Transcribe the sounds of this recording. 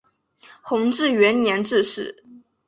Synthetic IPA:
xʊ˧˥ŋʈ͡ʂɻ̩˥˩ɥɛ˧˥nnjɛ˧˥nʈ͡ʂɻ̩˥˧ʂɻ̩˥˩

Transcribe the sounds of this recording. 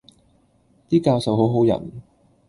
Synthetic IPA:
t̪iː˥kaː˧wsɐ˨wɦo˨˥wɦo˨˥wjɐ̰˨˩n

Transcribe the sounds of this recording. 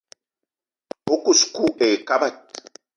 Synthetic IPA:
o˦ku˨sku˦ʔe˨ka˦ba˦˨t̪̚

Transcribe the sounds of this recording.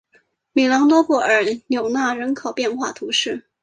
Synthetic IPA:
mi˨˩lɑ˧˥ŋt̪wɔ˥pɔ˥˩ə˞˨˩njo˨˩ʊna˥˩ɻə˧˥nkʰo˨˩ʊpjɛ˥˧nxwa˥˩t̪ʰu˧˥ʂɻ̩˥˩

